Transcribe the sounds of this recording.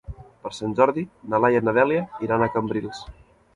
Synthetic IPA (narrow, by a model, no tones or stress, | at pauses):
pəɾsanʲʒɔɾðinəlajənəðɛliəiɾanəkəmbɾilˠs